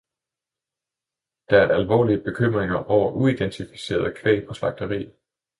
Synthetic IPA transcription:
d̥ææɐælʋɒ̰ːliəb̥e̝kʰøm̰ʁeŋɐʔɒʊ̰ɐʔuid̥ent͡sʰifi̥se̝̰ːɐðˠkʰʋḛːpʰɒ̽slɑ̈ɡ̥̚d̥ɐʁḭː

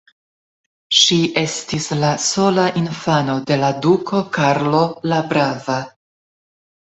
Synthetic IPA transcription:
ʃiʔe̞stislaso̞laʔinfano̞de̞ladukʰo̞kaɾlo̞labɾava

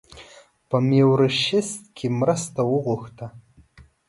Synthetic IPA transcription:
pʰamewɾɨʃɪstkʲʰimrastʰawʊʁʷʊxtʰa

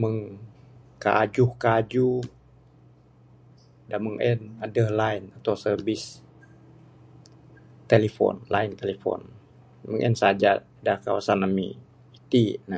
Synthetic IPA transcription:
məŋ | ka̰ʔad͡ʒʊhkaːd͡ʒuh | daməŋʔɛnadəhlainat̪awsərbis | t̪elifɔ̰nlaint̪elefɔ̰n | məŋʔɛ̰nsad͡ʒa | dahkawasanːamḭ | it̪ina

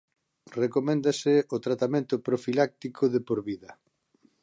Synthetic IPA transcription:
rekomɛ̃nd̪asɪot̪ɾat̪amẽnt̪ʊpɾofilak̚t̪ikʰoðepoɾβiðɐ

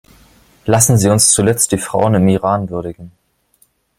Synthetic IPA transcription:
lasn̩ziːʊnst͡sulɛt͡std̥iːfʁ̥a̰ʊənɪmiʁaːnvʏɐɾɪɡŋ̩

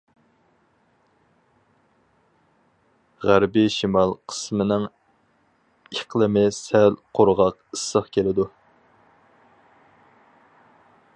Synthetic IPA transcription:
ʁæɾbɪʃimɑlˠqʰə̥smɪnɪŋ | eqlˠəmɪsælqʰoɾʁɑqisəχkʲʰelɪd̪u

